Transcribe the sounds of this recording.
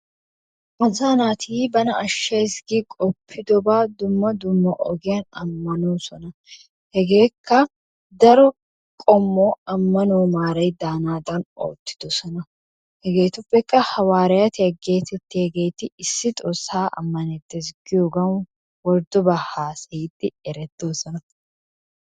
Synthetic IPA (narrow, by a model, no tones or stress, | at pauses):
mɐzaːnaːt̪ʰiːbɐnɐɐʃːɐjsɡikʼɔpʰːɪd̪ɔbaːd̪ʊmːɐd̪ʊmːɐʔɔɡɪjɐnɐ̰mːɐnoːsɔnɐ | hɛɡe̞ːkʰːɐ | d̪ɐɾɔ | kʼɔmːoːɐmːɐnoːmaːɾɐjd̪aːnaːd̪ɐno̰ːt̪ːɪ̥d̪̥ɔsɐnɐ | hɛɡe̞ːt̪ʊfːɛkːɐhɐwaːɾɐjɐt̪ɪɐɡe̞ːt̪ɛt̪ːɪhɛɡe̞ːt̪ːɪɪsːɪt̪ʼɔsaːʔɐ̰mːɐnet̪ːɛsɡɪjoɡɐn | wɔɾd̪ɔbɐhaːsɐɪt̪ːɪɛɾɛt̪ːoːsɐnɐ